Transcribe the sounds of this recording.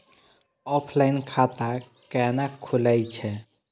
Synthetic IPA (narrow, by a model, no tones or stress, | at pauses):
ɔpʰlajnkʰat̪a | kɛnakʰːuləjt͡ʃʰɛ